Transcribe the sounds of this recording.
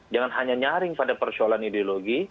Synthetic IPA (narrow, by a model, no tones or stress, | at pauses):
d͡ʒaŋanɦaɲaɲaɾɪŋpadapərsoalanidioloɡi